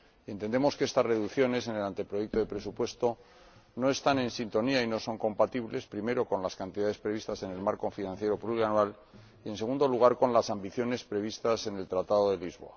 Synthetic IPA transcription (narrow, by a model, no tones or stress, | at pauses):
ie̞nt̪end̪e̞mo̞skee̞st̪azre̞ðukθjo̞ne̞s̬e̞ne̞lant̪e̞pɾojek̚t̪o̞ðe̞pɾe̞supwe̞st̪o̞ | no̞e̞st̪anẽ̞nsint̪o̞niaino̞so̞ŋko̞mpat̪iβle̞spɾime̞ɾo̞ko̞nlaskant̪iðaðe̞spɾe̞β̞ist̪ase̞ne̞lmaɾko̞finãnθje̞ɾo̞pluɣɾjanwal | ie̞nseɣund̪o̞luɣ̞aɾko̞nlasambiθjo̞ne̞spɾe̞βist̪ase̞ne̞lt̪ɾat̪aðo̞ðe̞lizβo̞̰a